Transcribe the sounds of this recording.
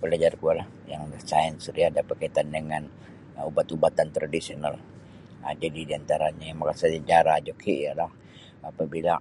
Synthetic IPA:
pəlad͡ʒarkualah | jaŋdasaɛnsəɾiadapərkait̪andəŋan | ubat̪ubat̪ant̪ɾadisional | əd͡ʒadidiant̪aɾaɲajamakasaəd͡ʒaɾad͡ʒokʰijalah | apabila

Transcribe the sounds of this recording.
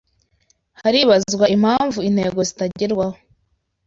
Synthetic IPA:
haɾiβazɡwaim̥haːɱvuin̥he̞ːɡo̞zitaɟiɾɡwaho

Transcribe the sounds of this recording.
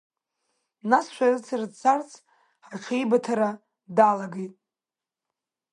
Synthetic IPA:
nasʃʷᶣarɨt͡sʰardt͡sʰart͡sʰ | ħaʈ͡ʂʷʰejbatʰaɾa | dalaɡijtʼ

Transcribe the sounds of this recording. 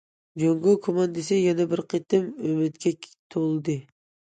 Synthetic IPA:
d͡ʒoŋɡokʰomɑnd̪esɛjɛnɛbɪɾqʰet̪ɪmømɪt̪kʲʰɛt̪ʰolˠɨd̪ɨ

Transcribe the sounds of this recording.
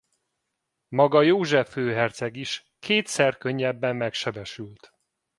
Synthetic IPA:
mɒɡɒjoːʒɛføːɦɛrt̪sɛɡiʃ | kʰeːt̪sɛrkø̞ɲːɛbːɛmːɛkʃɛbɛʃylt̪

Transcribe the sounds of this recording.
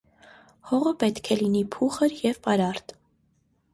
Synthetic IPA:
hɔʁəpɛt̪kʰɛlinipʰuχəɾjɛvpɑɾɑɾt̪

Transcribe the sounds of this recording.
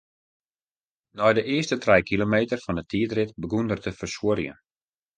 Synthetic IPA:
nɔjdəʔɪəstətʰrɛjkʰilomeːtərfɔndətʰiːətrɪtbəɡundərtəfərsuəɾjə̰n

